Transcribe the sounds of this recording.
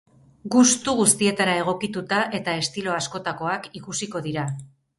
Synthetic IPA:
ɡust̪uɣust̪ie̞t̪aɾae̞ɣ̞o̞kit̪ut̪aʔe̞t̪ae̞st̪ilo̞asko̞t̪ako̞akikusiko̞ðiɾa

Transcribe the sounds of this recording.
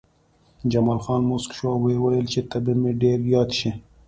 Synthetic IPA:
d͡ʒɐmɑːlxɑːnmʊskʃwɑwewɐjəlt͡ʃet̪ɐbimeɖeɾjɑːt̪ʃi

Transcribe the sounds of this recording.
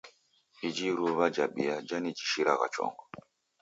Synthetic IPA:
id͡ʒiɾuβad͡ʒaɓḭad͡ʒanid͡ʒiʃiɾaɣa̰t͡ʃɔ̰ŋɡɔ

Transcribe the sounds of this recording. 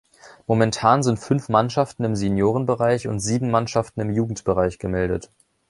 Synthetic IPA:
momɛntʰaːnzɪntfʏnfmanʃaftn̩ɪmzenjoːʁ̞ənbəʁaɪçʊ̰ntz̥iːbm̩manʃaftn̩ɪmjuːɡŋ̩tb̥əʁaɪçɡ̥əmɛldət

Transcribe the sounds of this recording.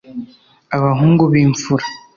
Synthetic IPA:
aβaɦuːŋɡuβiːɱfuɾḁ

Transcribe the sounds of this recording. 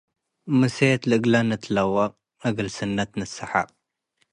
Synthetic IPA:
mɨset̪lɨʔɨɡlanɨt̪ʰlɐwːɐqʼ | ʔɐɡɨlsɨnːɐt̪nɨsɐħa̰qʼ

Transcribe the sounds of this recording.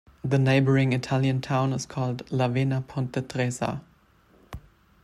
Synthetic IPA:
ðəneɪbə˞ɪ̃ŋɪtʰaljə̃ntʰãʊ̃nɪzkʰɔːldlavenapʰɔ̃ntətʁɛza̰

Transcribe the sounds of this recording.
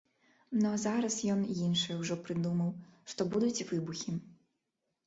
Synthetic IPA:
nɔzaɾɐsjɔnjinʂɔjwʐɔpɾɨd̪umɐwʂt̪ɔbud̪ut͡sʲvɨbuxʲi

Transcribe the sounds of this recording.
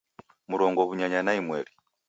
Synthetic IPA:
muɾɔŋɡɔβuɲaɲanaimwɛɾi

